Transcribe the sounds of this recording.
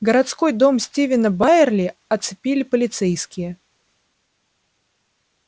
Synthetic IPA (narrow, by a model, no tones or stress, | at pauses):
ɡəɾat̪sko̞jd̪o̞msʲtʲivʲɪnəbaɪrlʲɪɐt̪sɨpʲilʲɪpəlʲɪt̪sɛjskʲɪjə